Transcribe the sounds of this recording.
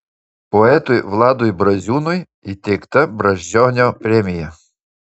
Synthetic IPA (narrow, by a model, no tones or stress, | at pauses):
pɔɛt̪ʊjʋlˠɑd̪ʊjbɾɐzʲunʊj | it̪ʲɪkt̪ɐbɾɐʒʲd͡ʒɔɦnʲɔpɾʲɛmʲijɐ